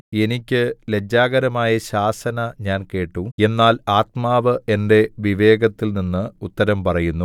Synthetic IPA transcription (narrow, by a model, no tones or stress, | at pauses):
e̞nikʲːɨled͡ʑːaːɣɐɾɐmaːjɐɕaːsɐnɐɲaːnke̞ːʈːue̞nːaːlaːt̪̚maːʋɨe̞nde̞ʋiʋe̞ːɡɐt̪ːilninːɨut̪ːɐɾɐmpɐrɐjunːu